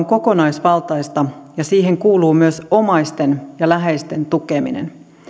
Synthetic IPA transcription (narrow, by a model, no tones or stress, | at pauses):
ŋko̞konɑjsʋɑlt̪ɑist̪ɑjɑsiːɦeŋkuːluːmyøso̞mɑjst̪enjɑlæɦeist̪e̞nt̪ukemḭnḛn